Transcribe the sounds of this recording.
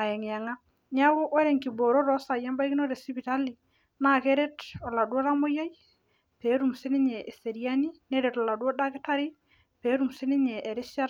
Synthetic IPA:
a˨ɛ˨ŋ˨ja˨ŋa˦ | ɲa˦ko˦ʔɔ˦ɾɛ˨ŋki˨bo˨ɾo˦ɾɔ˦sa˨ja˦mba˦i˦ki˦no˦ɾe˨si˦pi˨ta˦li˨ | na˦˨ke˦ɾe˦tɔ˨la˨dwɔ˦ɾa˦mo˦ja˦j | pe˨˦ɾu˨msɪ˦nɪ˦ɲɛ˨ʔe˨se˨ɾja˦ni˦ne˦ɾɛ˨tɔ˨la˨dwɔ˦da˦ke˦ta˦ɾɪ˦ | pe˨˦ɾu˨msɪ˦nɪ˦ɲɛ˨ʔe˨ɾɪ˦sa˦ɾ

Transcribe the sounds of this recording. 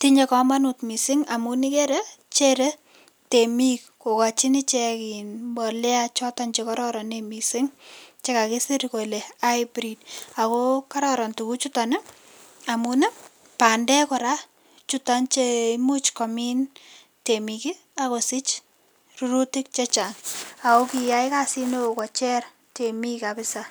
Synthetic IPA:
ti˦ɲe˧kɔma˦nutmi˨sɪŋa˨muni˦ke˦ɾe˦t͡ʃe˦ɾe | temik̚ko˨ka˨t͡ʃi˦ni˦t͡ʃɛkinmbɔ˨lɛ˦at͡ʃɔ˦tɔnt͡ʃekɔɾɔ˦ɾɔnemisɪ˦ŋt͡ʃe˦ka˨ki˦si˦ɾko˨le˨a˦jbɾid̚a˨koka˦ɾɔɾɔ˨ntuku˦t͡ʃutanɪ˦ | a˨munɛ˦ | pa˨ndɛ˦kɔ˨ɾa | t͡ʃutant͡ʃemu˦t͡ʃkɔ˨mi˦n | temiki˦ | akosɪ˦t͡ʃ | ruɾu˦tɪ˦k̚t͡ʃe˦t͡ʃa˨ŋa˨ko˦kija˦jkasi˦no˦o˨kɔ˨t͡ʃɛ˦r | te˨mikapɪ˦sa

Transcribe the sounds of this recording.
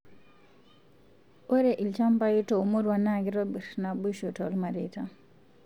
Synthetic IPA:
o˦ɾe˨ʔi˨lt͡ʃa˦mpa˦ji˦to˨umu˦ɾwa˨naɡi˦ɾo˦bi˨ɾna˨buʃu˨tɔ˨lma˨ɾita

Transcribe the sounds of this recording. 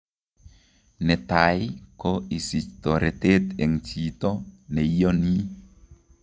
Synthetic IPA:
nɛ˨t̪a˨jkɔ˦i˨si˨t̪ɔ˨ɾe˨t̪e˦t̪e˨ŋt͡ʃi˨t̪ɔ˦nɛ˨i˦jɔ˦ni˦

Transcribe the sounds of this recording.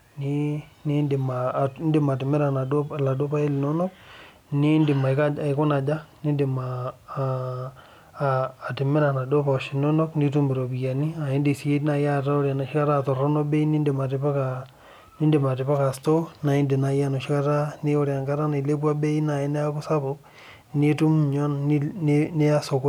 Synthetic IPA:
ni˦ni˦nde˨ma˨˦nde˦ma˨t̬ɪ˨me˦ɾa˨na˨la˨do˦pa˦e˦li˨nɔ˦nɔ˦k̚ | ni˦nde˨ma˨˦ka˦a˨i˨˦ko˦na˨d͡ʒa˦ni˦nde˨ma˨ | tɪ˨mɪ˦ɾa˨na˨do˦pa˨ʃi˨nɔ˦nɔ˦kni˦tu˦mbɪ˨ɾo˨bi˨ja˨ni˦a˨ji˦ndi˨si˦e˦na˦ja˦˨ta˦o˦ɾja˨na˨ʃi˦ka˦ɾa˦˨tɔ˨ɾɔ˦no˦be˦i˦ni˦nde˨ma˨tɪ˦pa˦ka | ni˦nde˨ma˨tɪ˨pa˦ka˨sto˦na˨i˦nde˨na˨˦ja˦no˨ʃi˦ka˦ta˦ne˦o˦ɾa˨ŋka˦ɾa˦na˨le˦bu˦a˦be˦i˦na˨ji˦ne˦a˦ku˦sa˦po˦k̚ | ni˦tu˦mɲɔ˦n˦ne˦a˦so˨k

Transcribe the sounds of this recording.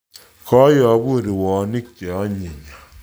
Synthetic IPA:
kʰɔ˦jɔ˨˦bu˦˨ɾi˨wɔ˨˦ni˦kt͡ʃe˨ɔ˦ɲe˨ɲa˨

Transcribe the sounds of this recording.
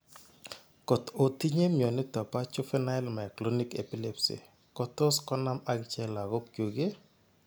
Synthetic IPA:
ko˨to˨ti˦ɲe˦mjɔ˨nɪ˦tɔ˨pa˦t͡ʃʊ˦fɛ˦na˦ɪ˦lma˨ɛ˨klo˦ni˦kḛ˨pi˦le˦psḭ˨ | kɔ˦tɔ˦skɔ˦na˦ma˦ŋt͡ʃɛ˦la˨ɡo˦kkju˨ɡe˦

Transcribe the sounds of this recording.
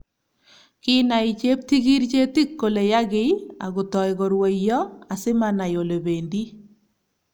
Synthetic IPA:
kɪ˦na˨i˨t͡ʃe˦p̚ti˦ɡi˦ɾt͡ʃe˦ti˦kːo˨le˨ja˦ɡɪ˦ja̰˨ɣʊ˨tɔ˨jɣɔ˨ɾwe˨jɔ˦a˨sɪ˦ma˦˨na˨jo˨le˨be˨ndi˦

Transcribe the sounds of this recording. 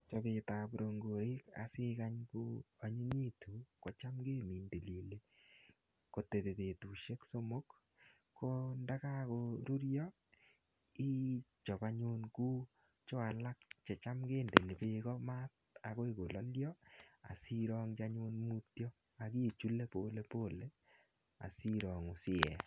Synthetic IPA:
t͡ʃɔ˨be˨ta˨bo˨ɾo˨ŋɡo˨ɾi˦ka̰˨sɪ˦ka˦ɲku˦a˨ɲe˦ɲi˦tu˨ko˨t͡ʃa˦mɡe˦mi˨nde˨li˨le˦ | ko˨te˨be˨be˨tu˨ʃe˦kso˦mo˦kː | o˦nda˦ka˦ko˨ɾu˦ɾjɔ˦ | i˦t͡ʃɔ˨ba˨ɲʊ˦nɡu˦ | t͡ʃo˦a˨la˦k̚t͡ʃɛ˨t͡ʃa˦mɡeː˦˨nde˨ne˨be˦ɣɔ˦ma˦t̪̚ | a˨ɣɔ˦i˨ɡo˨lɔ˦ljɔ˦a̰˨si˦ɾɔ˦ŋd͡ʒa˦ɲʊ˦nmu˦tjɔ˦ | a˨ɡi˦˨t͡ʃu˦le˦po˦le˦po˦le˦ | a̰˨si˦ɾɔ˨ŋʊ˨sɪ˦ɛ̰˨

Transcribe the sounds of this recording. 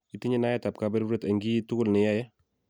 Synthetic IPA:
i˦ti˦ɲɪ˦na˦ɛ˦ta˨p̚ka˨bɛ˦ɾɾe˦ta˨ŋɡi˦tʊ˦kʊ˦˨lnɪ˨ja˦jɛ˦

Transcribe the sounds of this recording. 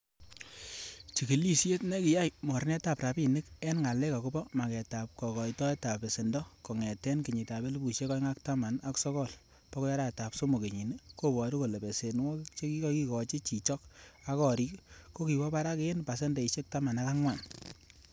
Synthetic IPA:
t͡ʃi˨ki˨li˦sje˦tne˦kɪ˨ja˦jmɔ˨ɾnɛ˦ta˨pra˨bi˨nɪ˦kɛ˦nŋa˨lɛ˦ka˨ku˦bɔ˦ma˨kɛ˨ta˨p̚kɔ˨kɔ˨jtɔ˦ɛ˦ta˨pe˨se˨ndɔ˦kɔ˨ŋɛ˨tɛ˦nki˨ɲi˨ta˨be˦lbu˨ʃe˦kɔ˦jŋa˦kta˦ma˨na˦ksɔ˦kɔ˦˨l | pɔ˦kɔ˦ja˦ɾa˦˨ta˨pso˦mo˨ke˨ɲi˨n˦ko˦bɔ˨ɾu˦ko˨le˨be˨se˨nwɔ˦t͡ʃe˦ki˦kɔ˦ki˦kɔ˨t͡ʃi˦t͡ʃi˨t͡ʃɔ˦ka˦kɔ˨ɾi˦kko˦ki˨wɔ˦pa˦ɾa˦ke˦e˦npa˨se˦nde˨i˨ʃe˦k̚ta˦ma˨na˦ka˦ŋwa˨n

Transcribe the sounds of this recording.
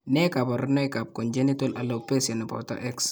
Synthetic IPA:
nɛ˦ka˨bɔ˨ɾnɔ˦jka˨p̚kɔ˨nd͡ʒe˦ni˦tɔ˦la˨lo˨pe˦sa˨nɛ˨pɔ̰˨ta̰˦ʔɛ˦ks

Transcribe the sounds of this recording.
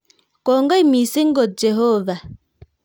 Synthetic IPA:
kɔ˨ŋɡa˦i˦mi˨si˦ŋ˦ɡɔ˨d͡ʒe˨ɦɔ˦va˨

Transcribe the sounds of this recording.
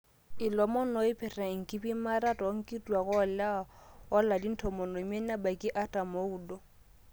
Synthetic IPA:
ɪ˨lɔ˨mɔ˦nɔ˨˦ɪ˦pʰɛ˨ra˨ŋ̩˨kʼɪ˦bi˦ma˦ɾa˦tʼɔ˨˦ŋ̩˦kʼi˦tʼu˨a˨ɣʊ˦ɔ˨la˦ɔ˦la˨di˦n̩˦tʰɔ˨mɔ˨no˨me˦na˦ba˨kʼɪ˦ʔa˦tʼa˨mo˦uː˦dɔ˦

